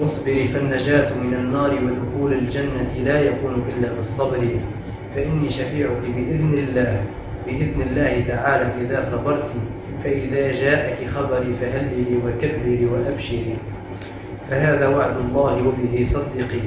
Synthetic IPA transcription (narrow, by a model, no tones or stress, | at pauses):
ʔɑsˤbɪɾiːfanːad͡ʒaːt̪mɪnanːɑːɾɪwad̪ʊxuːlald͡ʒanːalaːjakuːnʊʔɪlːaːbɨsˤːɑbɾiː | faʔɪnːiːʃafiːʕʊkɪbɪʔɪðnɪlːaːh | bɪʔɪðnɪlːaːhɪt̪aʕaːlaːʔɪðaːsˤɑbɑɾˤt̪i | faʔɪðaːd͡ʒaːʔakɪxɑbɑɾiːfaɦalːɪliːwakabːiliːwaʔabʃiliː | faɦaːðaːwaʕd̪ʊlˤːɑːhɪwabɪhiːsˤɑd̪ːɪqi